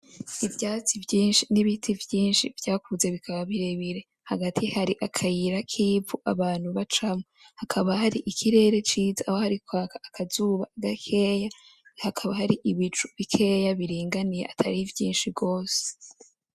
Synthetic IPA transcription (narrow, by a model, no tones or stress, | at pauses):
ivjaːt͡sivjiːnʃiniβitʰivjiːnʃivjaːkuze̞βikʰaβaβiɾe̞βiɾe̞ | haɡatʰihaɾiʔakʰajiɾakʰiːvuʔaβaːn̥huβat͡ʃamohakʰaβahaɾiʔikʰiɾe̞ːɾe̞t͡ʃiːzaːho̞haɾikwaːkaːkʰazuβaɡakʰe̞jahakʰaβahaɾiʔiβit͡ʃuβikʰe̞jaβiɾiːŋɡanijḛʔatʰaɾivjiːnʃibɡo̞ːse̥